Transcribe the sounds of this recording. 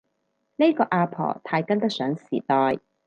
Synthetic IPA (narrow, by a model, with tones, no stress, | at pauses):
ne˥jkɔː˧ʔaː˧pʰɔ̰ː˨˩t̪ʰaː˧jkɐ˥nt̪ɐ˥k̚sœː˨˥ŋsiː˨˩t̪ɔː˨˧j